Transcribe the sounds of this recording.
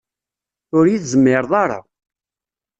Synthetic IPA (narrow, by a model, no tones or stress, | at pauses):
ʊɾjiθzəmːɪɾˤðˤɑɾˤɑ̰